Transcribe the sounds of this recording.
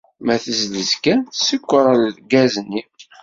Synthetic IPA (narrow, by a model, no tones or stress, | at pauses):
mæθəzləzkæsəkʷːəɾˤəllɡæznːi